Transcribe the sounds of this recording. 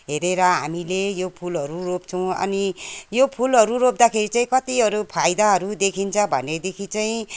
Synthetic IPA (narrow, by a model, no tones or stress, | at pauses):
ɦeɾeɾʌɦa̰milejopʰulɦʌɾuropt͡sʰʌw̃ʌ̰nijopʰulɦʌɾuɾop̚d̪akʰeɾit͡saĩkʌt̪iʌɾupʰajd̪aɦʌɾud̪ekʰint͡sʰʌbʱʌ̰ned̪ekʰit͡saĩ